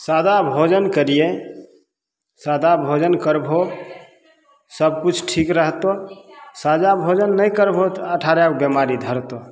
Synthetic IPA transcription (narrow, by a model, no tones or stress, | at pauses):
sad̪abʱod͡ʒənkəɾije | sad̪abʱod͡ʒənkəɾbʱo | səb̚kut͡ʃʰʈʰikɾəɦt̪osad͡ʒabʱod͡ʒənːəjkəɾbʱot̪əʈʰaɾjabemaɾid̪ʱəɾt̪o